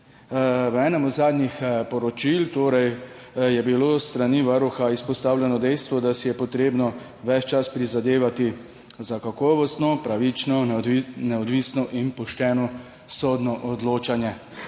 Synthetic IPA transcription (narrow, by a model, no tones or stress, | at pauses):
ʋɛːnɛmɔd̪zaːd̪nɲixpɔɾɔt͡ʃilt̪oːɾɛj | jɛbiloːst̪ɾaniʋaɾuxaispɔst̪aːwlʲjɛnɔd̪ɛjst̪ʋɔd̪asijɛpɔt̪ɾeːbnɔ | ʋɛt͡ʃt͡ʃaspɾizad̪eːʋat̪i | zakakɔːʋɔst̪nɔpɾaʋit͡ʃnɔnɛɔd̪ʋiːsnɔʔinpɔʃt̪ɛːnɔ | sɔːd̪nɔʔɔd̪loːt͡ʃanjɛ